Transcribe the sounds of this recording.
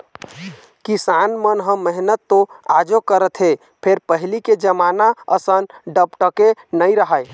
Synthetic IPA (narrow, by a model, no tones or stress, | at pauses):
kisanmənɦə̃məɦnət̪ːõad͡ʒokəɾət̪ɦe | pʰeɾpəɦliked͡ʒəmanaə̰sənɖəpʈəkenəjɾəɦəj